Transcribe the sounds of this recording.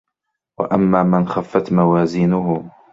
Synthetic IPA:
wa̰ʔamːaːmɪnxafːat̪mawaːziːnʊhʊ

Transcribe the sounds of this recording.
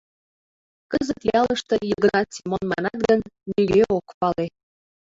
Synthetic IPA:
kəzət̪jɑləʃt̪ə̆jəɣɾɑt̪simonmɑ̰nɑt̪̚ɡənːyɣeokpɑle

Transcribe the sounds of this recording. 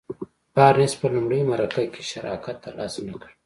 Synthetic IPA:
pɑːɾnespəlumɽejmaɾakakʰe̥ʃaɾɑ̰kat̪ːalɑ̰ːsnakəɽ

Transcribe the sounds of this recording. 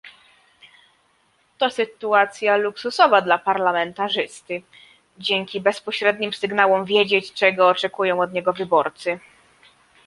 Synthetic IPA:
t̪ɔsɘt̪uat̪sʲjaluksusɔvad̪lapaɾlamɛnt̪aʐɘst̪ɘ | d͡ʑɛŋkʲibɛspɔɕɾɛd̪ɲimsɘɡnawɔmvʲjed͡ʑet͡ɕt͡ʂɛɡɔːt͡ʂɛkujɔ̃w̃ɔd̪ɲɛɡɔvɘbɔɾt̪sɘ

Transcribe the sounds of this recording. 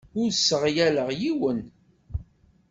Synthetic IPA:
ʊɾsəʁjæləʁjiwən

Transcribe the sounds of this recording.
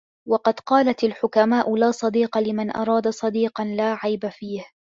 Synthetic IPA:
wɑqɑd̪qɑːlat̪alħʊkamaːʔʊlaːsˤɑd̪iːqɑlɪmanʔɑ̰ɾˤɑːd̪asˤɑd̪iːqɑnlaːʕajbafiːh

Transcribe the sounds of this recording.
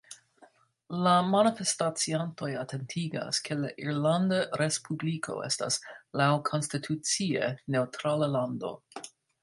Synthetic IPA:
lamanifestat͡sianto̞jatʰe̞ntʰiɡa̰skʰe̞laʔiɾlandaɾe̞spublikʰo̞̰e̞̰sta̰slawkʰo̞nstitʰut͡siḛne̞wtɾalalando̞̰

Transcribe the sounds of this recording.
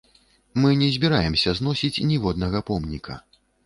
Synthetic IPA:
mɨnʲɛzʲbʲiɾajɛmsʲɐznɔsʲit͡sʲnʲivɔd̪nɐɣɐpɔmnʲikɐ̰

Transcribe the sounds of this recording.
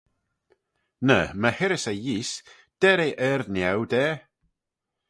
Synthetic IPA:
nəməhɪɾɪsejiːs | d̥ɛɾejʔɛrnjawdɛː

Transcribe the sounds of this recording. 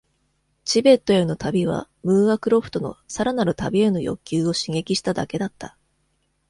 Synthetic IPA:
t͡ɕibe̞t̪ːo̞eno̞t̪abʲiβ̞a̰ | mɯ̟ːakɯ̟ɾo̞ɸɯ̟̥t̪o̞no̞̰saɾanaɾɯ̟t̪abʲie̞no̞jo̞̰kʲːɨːo̞ɕiŋe̞kʲiɕi̥t̪ad̪a̰ke̞d̪at̪ːa

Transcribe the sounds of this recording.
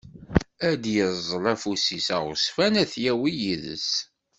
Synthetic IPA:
æd̪jəzˤːlˤæfusisæʁʊsfænæθjæwijiðə̰s

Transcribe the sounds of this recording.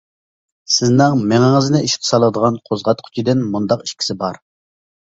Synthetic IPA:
sɪznɪŋmɪŋɪŋɨznɪʔiʃqʲʰɨ̥sɑlˠəd̪əʁɑnqʰozʁɑt̪qʰy̥t͡ʃʰid̪ɪnmund̪ɑqi̥ʃkʲʰi̥sɪbɑɾ

